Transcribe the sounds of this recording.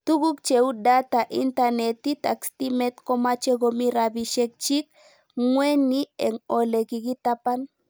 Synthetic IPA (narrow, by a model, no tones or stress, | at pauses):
t̪uɡukt͡ʃeud̪at̪aʔḭnt̪anet̪it̪a̰kst̪imet̪komat͡ʃeɡomiɾabiʃek̚t͡ʃik | ŋwenienolekiɡit̪apan